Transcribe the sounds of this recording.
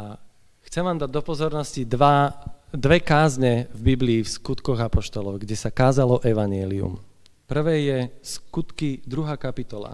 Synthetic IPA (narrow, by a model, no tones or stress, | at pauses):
a | xt͡sɛmʋaːmd̪aɟ̚d̪ɔpɔzɔɾnɔscid̪ʋad̪ʋɛkaːzɲɛvbibliːfskut̪kɔɣapɔʃt̪ɔlɔʊɡɟɛsakaːzalɔʔɛʋaɲɪɛliṵm | pr̩ʋɛjɛskut̪kid̪ɾuɦaːkapit̪ɔla̰